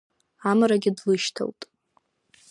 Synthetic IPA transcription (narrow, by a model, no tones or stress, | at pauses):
amɾaɡʲɪdlɨʃtʰa̰wtʼ